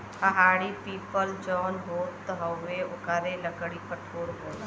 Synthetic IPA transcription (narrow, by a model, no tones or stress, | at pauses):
hɐɦaːɽipiːpəld͡ʒɔːnɦoːt̪ːɦɐːeʊkəɾeləɡəɽipəʈʰoːɾɦoːt̪